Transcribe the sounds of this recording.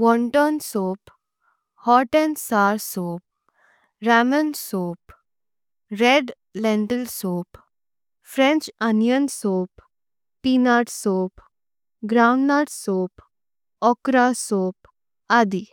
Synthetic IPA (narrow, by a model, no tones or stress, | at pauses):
ʋɔɳʈɔnsoːp | hɔʈensaːɾsoːp̚ | ɾamənsoːp | ɾeɖ | lɛ̃ɳʈəlsoːp | fɾẽnt͡ʃanjənsoːp | pinaʈsoːp | ɡɾawɳɖːaʈsoːp | ɔkɾasoːp̚ | ad̪i